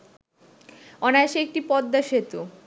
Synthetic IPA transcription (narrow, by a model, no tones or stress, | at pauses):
ɔneaʃeek̚ʈipɔd̪ːaʃet̪u